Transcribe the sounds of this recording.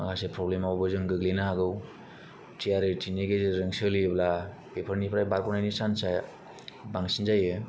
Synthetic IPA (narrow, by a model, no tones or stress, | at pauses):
akasepɾɔblemawbɯzɯŋɡɯɡlenaɦaɡɯw | tʰiaɾɯtʰineɡezɯɾɯŋsɯlibla | pepʰəɾnipʰɾajbaɾkɔnajnisansaj | baŋsinzajɯ